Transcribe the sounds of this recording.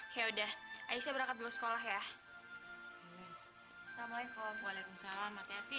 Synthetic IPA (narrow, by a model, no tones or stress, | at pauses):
jaudahʔajisɲabəɾakat̪̚dulʊsə̥kolaɦja | os | samalaikɔmbolɛkunsalamat̪eat̪i